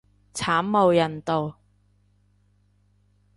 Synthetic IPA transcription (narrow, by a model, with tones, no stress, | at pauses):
t͡sʰaː˨˥mmo˨˧wjɐ˨˩nt̪o˨˧w